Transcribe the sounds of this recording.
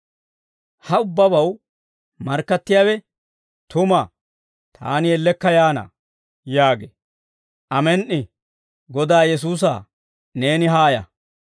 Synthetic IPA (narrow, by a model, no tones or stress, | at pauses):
hɐʊbːɐbɐw | mɐɾkːɐt̪ːɪjaːwɛ | t̪ʊma | t̪ʰa̰ːnɪjɛlːɛkːɐjaːna̰ː | jaːɡḛː | ʔɐmɛnʔɪ | ɡɔd̪aːjɛs̬uːs̬a̰ː | ne̞ːnɪɦaːjɐ̰